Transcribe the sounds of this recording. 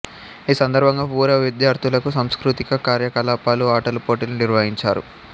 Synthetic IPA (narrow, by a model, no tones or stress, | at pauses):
iːsɐnd̪ɐɾbʱɐŋɡaːpuːɾɐʋid̪jaːɾt̪ʰulɐkusɐmskɾut̪ikɐkaːɾjɐkɐlaːpaːluaːʈɐlupoːʈiluniɾʋɐɦiɲt͡ʃaːɾṵ